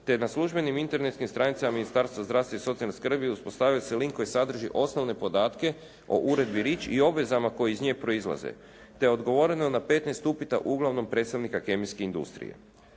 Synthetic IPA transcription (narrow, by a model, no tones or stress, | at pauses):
t̪e̞naslˠuʒbe̞nimint̪e̞ɾnet̪skimst̪ɾanit̪samaminist̪aːɾst̪ʋazd̪ɾaʋst̪ʋaiso̞t̪sialneskr̩biuspo̞st̪aːʋijoseliŋkːojisad̪r̩ʒiʔo̞sno̞ʋne̞po̞d̪aːt̪ke̞ | o̞̰ʔuɾe̞d̪biɾiːt͡ʃio̞bʋe̞zamako̞jiizɲeːpɾo̞izlˠa̰zḛ | t̪e̞o̞d̪ɡo̞ʋo̞ɾe̞nonape̞t̪nest̪upit̪a̰ʔuɡlaʋno̞mpɾe̞t̪st̪aʋnikake̞miskeind̪ṵst̪ɾḭjḛ